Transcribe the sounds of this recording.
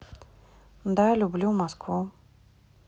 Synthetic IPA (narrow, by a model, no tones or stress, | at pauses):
d̪ajlʲublʲumɔskvu